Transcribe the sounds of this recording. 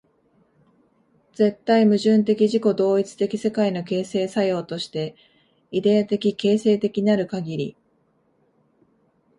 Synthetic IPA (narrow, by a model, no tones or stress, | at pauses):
d͡ze̞t̪ːaimɯ̟ʑɨ̃nt̪e̞kʲiʑiko̞d̪o̞ːit͡sɨ̥t̪e̞kʲi̥se̞kaino̞ke̞ːse̞ːsajo̞ːt̪o̞ɕi̥t̪e̞ | id̪e̞at̪e̞kʲike̞ːse̞ːt̪e̞kʲiɲiaɾɯ̟kaɡʲiɾʲḭ